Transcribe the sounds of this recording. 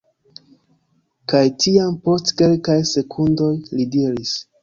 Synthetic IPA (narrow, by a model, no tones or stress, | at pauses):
kajtiampo̞stke̞lkajse̞kʰundo̞jlidiɾis